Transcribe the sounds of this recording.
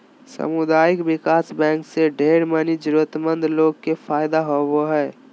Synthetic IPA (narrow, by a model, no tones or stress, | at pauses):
sə̰mʊd̪aːjɪkbɪkaːsbɛ̃ːŋkseɖʱeːɾmənid͡ʒʊɾət̪mə̃nd̪ʱloːɡ̚kefʰaːjd̪aɦowoɦɛː